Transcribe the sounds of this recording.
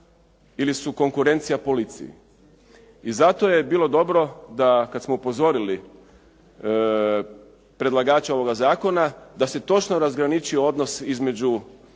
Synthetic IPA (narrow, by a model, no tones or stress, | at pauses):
ilisuko̞ŋkuɾe̞nt̪sijapo̞lit̪sḭjḭ | izat̪o̞je̞biːlˠo̞d̪o̞bɾo̞d̪akat̪smoupo̞zo̞ɾili | pɾe̞d̪lˠaɡaːt͡ʃao̞ʋo̞ɡazaːko̞nad̪ase̞t̪o̞t͡ʃnoɾazɡɾanit͡ʃio̞d̪no̞sizme̞d͡ʒu